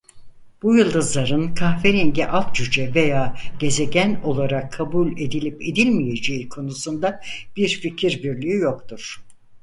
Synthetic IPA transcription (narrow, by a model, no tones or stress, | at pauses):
b̥ujɯlˠd̪ɯzlˠaɾɯnkʰaxfeɾinɟiʔalˠt̪̚t͡ʃyd͡ʒɛve̞jaːɟ̥e̞ze̞ɟʲæno̞lˠaɾakʰːabulʲe̞d̪ilʲipe̞d̪ilʲmije̞d͡ʒeikʰo̞nusund̪ab̥iɾficʰiɾbiɾlʲiijokt̪ʰuɾ̥